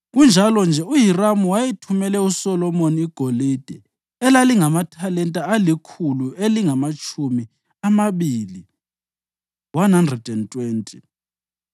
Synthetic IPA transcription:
ɣund͡ʒʱalɔnd͡ʒʱɛujiramuwajitʰumɛlɛusɔlɔmoniːɡ̥ʱolid̥ʱɛ | ɛlaliŋamatʰalɛntʼaalikʰulueliŋamat͡ʃʰʼumi | amaβiːli | wanhandrɛd̥ɛntʼweːntʼi

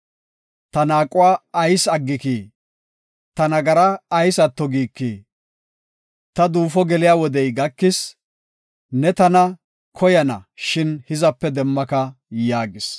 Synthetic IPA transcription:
t̪ɐnaːkʼʊwaːɐjsɐɡːɪkiː | t̪ɐnɐɡɐɾɐːjsɐt̪ːɔɡiːkːiː | t̪ɐd̪uːfɔɡɛlɪjaːwɔd̪ɛjɡɐkːɪs | nɛt̪ɐnɐ | kʰɔjɐnɐ̰ʃɪnhɪzɐpːɛd̪ɛmːɐkɐ | jaːɡɪs

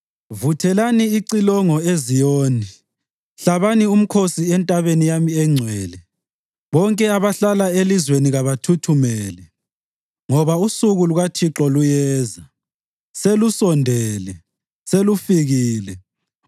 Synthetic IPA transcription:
vutʰɛlaniːǀilɔŋɔezijoːni | ɬaβanium̩kʰosiɛntʼaβenijamiɛŋ͡ǀʱwɛːlɛ | βɔŋkʼɛaβaɬalaelizweniɣaβatʰutʰumɛːlɛ | ŋɔβausuɣuluɣatʰiǁɔlujɛːza | selusɔndʱɛːlɛ | selufiɣiːlɛ

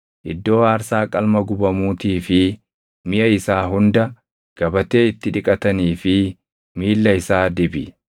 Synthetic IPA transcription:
ʔɪd̪ːo̞ːaːɾsaːkʼɐlmɐɡʊbɐmuːt̪iːfɪ | mɪʔɐɪsaːɦʊnd̪ɐ | ɡ̥ɐbɐt̪e̞ːɪt̪ːɪᶑɪkʼɐt̪ɐniːfɪ | miːlːɐɪsaːd̪ɪbɪ

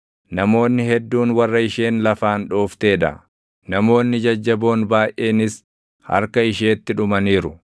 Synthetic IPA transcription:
nɐmo̞ːnːɪhɛd̪ːuːnwɐrːɐɪʃe̞ːnlɐfaːnᶑoːft̪e̞ːᶑɐ̰ | nɐmo̞ːnːɪd͡ʒɐd͡ʒːɐbo̞ːnbaːjʔʔe̞ːnɪs | hɐ̰ɾkɐɪʃe̞ːt̪ːɪᶑʊmɐniːɾʊ

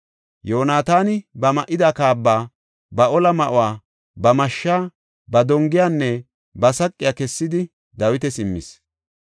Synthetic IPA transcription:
joːnaːt̪aːnɪbɐmɐʔɪd̪aːkaːbːaː | bɐʔɔlɐmɐʔʊwaː | bɐmɐʃːaː | bɐd̪ɔŋɡɪjaːnːɛ | bɐsɐkʼːɪjaːkɛsːɪd̪ɪ | d̪ɐwɪt̪ɛsɪmːɪ̰s

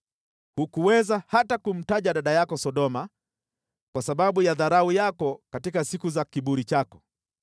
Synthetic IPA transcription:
hukuwɛzahatakum̩taʄaɗaɗajakɔsɔɗɔma | kwasaɓaɓujaðaɾaujakɔkatikasikuzakiɓuɾit͡ʃakɔ̥

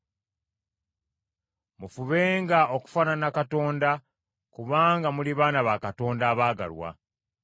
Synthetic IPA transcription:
mufuβe̞ːŋɡao̞ku̥faːnanakato̞ːnda | kuβaːŋɡamuliβaːnaβakato̞ːndaːβaːɡa̰lwa̰

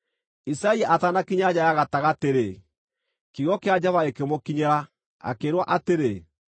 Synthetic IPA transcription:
isaiaʔatanakiɲad͡ʑajaɣataɣateɾe | kiɣɔkead͡ʑaβaekemokiɲɛɾa | a̰keːɾwaʔateɾe

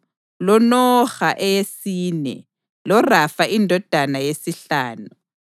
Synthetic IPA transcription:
lɔnɔxaʔɛjesiːnɛ̰ | lɔrafaʔindʱɔd̥ʱanajesiɬaːnu

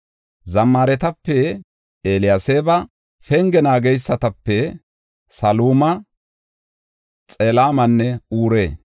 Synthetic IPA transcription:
zɐmːaːɾɛt̪ɐpːɛ | eːlɪjaseːbɐ | fɛŋɡɛnaːɡɛjsːɐt̪ɐpːɛ | sɐluːmɐ | t͡sʼelaːmɐnːɛuːɾeː

